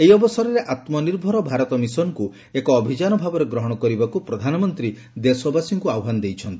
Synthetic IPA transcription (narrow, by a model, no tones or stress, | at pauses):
eiɔbɔsɔɾɔɾeʔat̪mɔniɾbʱɔɾɔbʱaɾɔt̪ɔmisɔnku | ekɔːbʱid͡ʒanɔbʱabɔɾeɡɾɔɦɔɽ̃ɔkɔɾibakupɾɔd̪ʱanɔmɔnt̪ɾi | d̪esɔbasiŋkuawɦand̪ejt͡ʃʰɔnt̪i